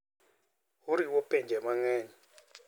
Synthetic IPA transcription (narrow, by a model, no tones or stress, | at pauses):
uɾiwopeɲd͡ʒɛmaŋɛːɲɛ